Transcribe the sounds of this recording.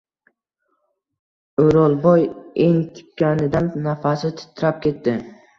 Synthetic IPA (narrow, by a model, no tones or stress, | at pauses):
ɵɾɒlˠbɒjeŋt̪ʰɪ̥p̚kʲːanɪd̪anːafasɪt̪ʰɪ̥t̪ʰːɪɾap̚kʲe̞t̪ːɪ